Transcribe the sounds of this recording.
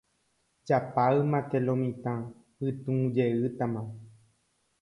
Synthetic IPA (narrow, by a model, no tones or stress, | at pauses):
d͡ʒapaɨmãt̪elõmĩt̪ã | pɨt̪ũd͡ʒeɨt̪amã